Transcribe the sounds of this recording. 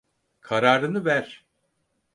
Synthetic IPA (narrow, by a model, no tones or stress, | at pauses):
kʰaɾaːɾɯnɯvæɾ̥